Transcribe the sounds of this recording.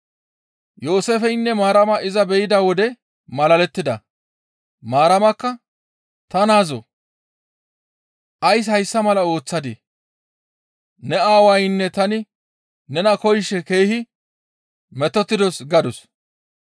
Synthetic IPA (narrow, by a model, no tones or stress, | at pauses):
joːsefɛjnːɛmaːɾɐmɐʔɪzɐbɛjɪd̪awɔd̪ɛ | mɐlɐlɛt̪ːɪd̪ɐ | maːɾɐmɐkːɐ | t̪ɐnaːzo | ʔɐjshɐjsːɐmɐlɐo̞ːt͡sːɐd̪e | nɛaːwɐjnːɛt̪ɐnɪ | nɛnɐkɔjʃːɛke̞ːhɪ | mɛt̪ːɔt̪ːɪd̪ɔsɡɐd̪ʊs